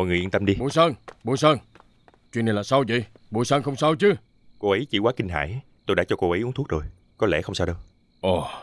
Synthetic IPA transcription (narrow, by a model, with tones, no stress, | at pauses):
ɔ̰˨jŋ˨˩jʔnt̪ə˧mɗi˧ɓu˧˨˦jsəː˧ŋɓṵ˧˦jsəː˧ŋ | t͡ɕwi˧ne˧nlaː˨˩sa˧wzḭ˧˨j | ɓṵ˧˩˦səː˧nxə˧wŋ͡msa˧wt͡ɕɨ˧˦ | ko˧ʔə˨˦jt͡ɕḭ˧˩kwaː˨˦˥kï˧ŋ̟ɦa̰ː˧˩˨j | t̪o˧jɗa̰˧˥t͡ɕɔ˧ko˧ʔə˨˦jʔu˦˥nt̪ʰk̚zo˨˩j | kɔ˨˦lɛ̰˧˩xə˧wŋ͡msaː˧wɗə˧w | ʔo˨˩